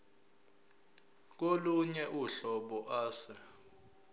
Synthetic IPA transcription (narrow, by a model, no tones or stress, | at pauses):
k̬oluɲɛʔuɬɔɓɔʔaːsɛ